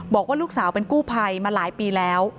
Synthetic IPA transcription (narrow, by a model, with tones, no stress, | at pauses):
bɔː˨˩k̚waː˥luː˥˩k̚saː˩˦wpe˧nkuː˥˩pʰa˧jmaː˧laː˩˦jpiː˧lɛː˦˥w